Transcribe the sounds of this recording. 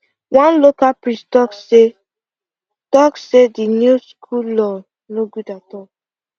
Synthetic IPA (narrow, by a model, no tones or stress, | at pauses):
wãnlokapɹistɔkse | tɔksedinuskʰulɔ | noɡudatɔk̚